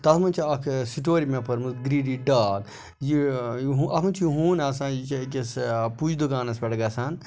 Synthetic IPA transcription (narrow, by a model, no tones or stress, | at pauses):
t̪ɐt̪ʰmɐnt͡ʃʰiɐkʰsiʈ̬oːɾimepʰɐɾmusɡɾiɖiɖaːɡ | jiɦuʔɐkʰũnt͡ʃʰiɦuːnasãːit͡ʃʰikespud͡ʒd̪uɡaːnɐsbɛʈɡɐsan